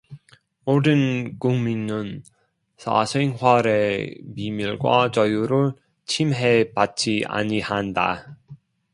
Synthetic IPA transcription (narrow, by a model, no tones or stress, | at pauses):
modɯnkuŋminnɯn | sʰa̰sʰeŋɦwaɾemimiɭɡwa̰t͡ɕʌjuɾɯɭ | t͡ɕʰimɦepat̚t͡ɕ͈ia̰ɲihanda̰